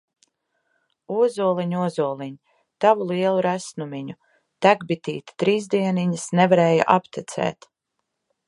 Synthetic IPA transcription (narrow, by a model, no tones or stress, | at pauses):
uɔzuɔlˠiɲuɔzuɔlˠiɲi | t̪avulˠiɛlˠuɾæsnumiɲu | t̪æɡbit̪iːt̪i̥t̪ɾiːzd̪iɛniɲəsnevaɾeːja̰ʔapt̪ʲit̪sɛ̰ːt̪